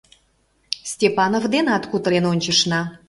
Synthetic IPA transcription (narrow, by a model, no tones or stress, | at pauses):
sʲtʲepɑnovd̪enɑt̪kut̪əɾenonʲt͡ɕə̆ʃnɑ